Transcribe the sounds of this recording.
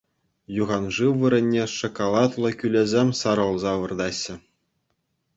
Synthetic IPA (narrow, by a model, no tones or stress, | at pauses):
juʁɑnʐɯʋɯɾʲɘ̆nʲːeʂŏkolˠɑt̪lˠɤ̆kʲylʲezʲemʲsɑɾɤ̆lˠzɑʋɯ̆rd̪ɑɕːɘ̆